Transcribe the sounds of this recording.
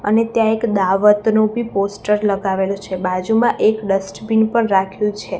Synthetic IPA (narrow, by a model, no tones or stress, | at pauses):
ə̰net̪jãekd̪aʋət̪nobʱiposʈəɾləɡaʋelot͡ʃʰebad͡ʒumãʔekɖəsʈbinpəɳɾakʰjũt͡ʃʰe